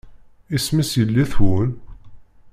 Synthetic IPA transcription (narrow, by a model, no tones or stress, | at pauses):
ismisjəlːiθwʊl